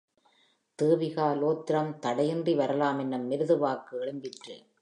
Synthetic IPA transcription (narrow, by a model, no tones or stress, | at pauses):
t̪ɯːʋɪɣaːloːt̪ːɪɾɐmt̪ɐɽɐjɪndriʋɐɾɐlaːmɛnːɯmːɪɾɯðɯʋaːkːɯɛɭɯmbɪʈrɯ̰